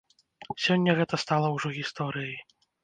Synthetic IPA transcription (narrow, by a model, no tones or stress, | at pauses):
sʲɔnʲːɐɣɛt̪ɐst̪alˠɐwʐɔɣʲist̪ɔɾɨji